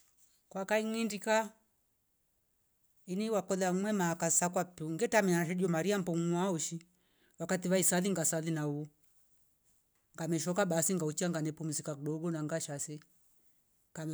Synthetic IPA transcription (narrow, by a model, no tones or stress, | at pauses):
kwakaiŋindika | iniwakɔðamwɛmakasakwapuŋɡɛtamianaʃ̬ɛɗiɔmaɾiam̩pɔŋ̩waɔʃi | wakatiwaisaðiŋɡasalinau | ŋɡamɛʃɔkaɓasiŋɡaut͡ʃiaŋɡanɛpumizikakuɗɔɡɔnaŋɡaʃasɛ | kam